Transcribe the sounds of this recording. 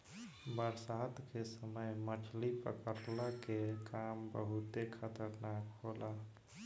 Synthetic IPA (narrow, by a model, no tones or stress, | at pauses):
bəɾsaːt̪kesəməjməʈʰlipə̰kəɾlakekʰaːmbəɦʊt̪ekʰət̪əɾnaːkɦoːlaː